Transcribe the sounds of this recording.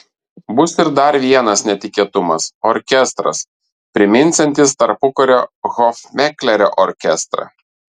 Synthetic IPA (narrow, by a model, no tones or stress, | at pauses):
bʊsɪɾd̪ɐɾʋʲiɛnɐsnʲɛt̪ʲɪkʲiːɛt̪ʊmɐsɔɾʲkʲɛst̪ɾɐ̰s | pʲɾʲɪmʲɪnʲˑsʲɛnʲt̪ʲɪst̪ɐɾpʊkɔɾʲoːɣɔfʲmʲɛklʲɛɾʲo̰ʔɔɾʲkʲɛst̪ɾɐ̰